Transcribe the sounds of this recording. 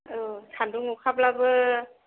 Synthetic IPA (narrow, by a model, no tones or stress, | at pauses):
ʔɯːtʰanduŋukʰap̚labɯ